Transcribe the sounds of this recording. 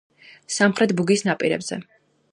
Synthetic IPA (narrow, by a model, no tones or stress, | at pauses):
samχɾɛt̪̚buɡisnapʼiɾɛ̰bz̥ɛ̰